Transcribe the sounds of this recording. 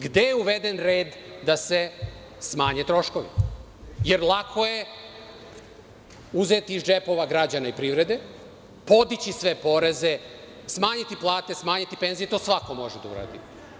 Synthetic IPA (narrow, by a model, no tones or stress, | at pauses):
ɡd̪e̞jeuʋe̞d̪enɾe̞ːd̪ːase̞ | smaːɲet̪ɾo̞ʃko̞ʋḭ | jeɾlˠakʰo̞je̞ | uzet̪iːzd͡ʒe̞po̞ʋaɡɾad͡ʑanaipɾiʋɾe̞d̪e̞ | po̞d̪it͡ɕisʋe̞po̞ɾe̞ze̞ | smaːɲit̪iplˠaːt̪e̞smaːɲit̪ipe̞nzijet̪o̞ːsʋako̞mo̞ʒed̪aṵɾa̰d̪i